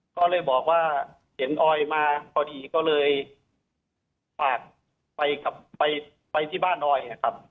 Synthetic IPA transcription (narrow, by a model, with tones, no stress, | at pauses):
kɔː˥˩lɤː˧jbɔː˨˩k̚waː˥˩ | he˩˦nʔɔː˧jmaː˧kʰɔː˧˩diː˧kɔː˥˩lɤː˧j | pʰaː˨˩t̪̚ | pa˧jka˨˩p̚ːa˧j | pa˧jt̪ʰiː˥˩baː˥˩nʔɔː˧jna˧˩kʰa˦˥p̚